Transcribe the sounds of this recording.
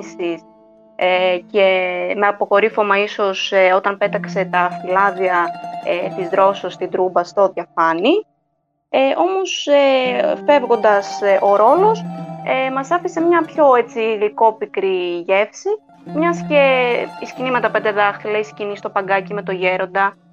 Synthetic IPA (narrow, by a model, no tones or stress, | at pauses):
sis | ecemeɐpo̞ko̞ɾifo̞mɐiso̞seo̞t̪ɐnpe̞t̪ɐkse̞t̪ɐfilɐðiɐet̪izðɾo̞sost̪ind̪ɾubɐst̪o̞ðjɐfɐni | eʔo̞mo̞sefe̞vɣo̞nd̪ɐsʔo̞ɾo̞lo̞semɐsɐfise̞mɲɐpço̞et͡siɣliko̞pikɾiʝe̞fsi | mɲɐsce̞iscinimɐt̪ɐpend̪eðɐxθilɐiscinist̪opɐŋɡɐcime̞t̪o̞ʝe̞ɾo̞nd̪ɐ